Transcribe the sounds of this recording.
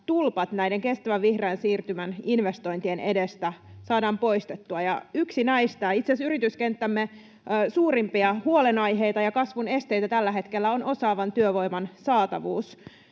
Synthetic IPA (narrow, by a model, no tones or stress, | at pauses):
t̪ulpɑt̪næjdeŋke̞st̪æʋæʋʋihreːnsiːrt̪ymæninʋest̪o̞jnt̪ienḛdest̪æsɑːdɑːmpo̞jst̪et̪ːuɑjɑyksinæist̪æːit̪sesyɾit̪yskent̪ːæmːe | suːɾimpiɑhuolenɑjɦe̞jt̪ɑjɑkɑsʋune̞st̪e̞jt̪æt̪ælːæɦe̞t̪kelːæono̞sɑːʋɑnt̪yøʋo̞jmɑnsɑːt̪ɑʋuːs